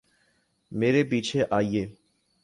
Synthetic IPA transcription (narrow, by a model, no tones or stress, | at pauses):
meɾebit͡ɕʰeʔaje